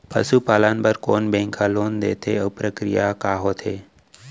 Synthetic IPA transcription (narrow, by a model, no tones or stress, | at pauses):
pə̰ʃupalanpəɾkonbɛ̃ŋkʰalond̪et̪ʰeəpɾəkɾijakaɦot̪ʰe